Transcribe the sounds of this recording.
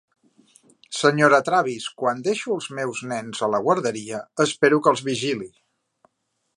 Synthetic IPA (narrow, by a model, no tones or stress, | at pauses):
səɲoɾət̪ɾaβ̞iskwand̪eʃuəlˠzmɛwznɛnzələɣwəɾðəɾiəəspeɾukəlˠzβiʒili